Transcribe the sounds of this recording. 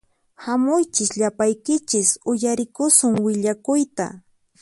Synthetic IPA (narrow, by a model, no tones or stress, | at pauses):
hamʊjt͡ʃɪsʎapajkɪt͡ʃɪsʊjaɾɪkʊsʊŋwɪʎakʊjt̪a̰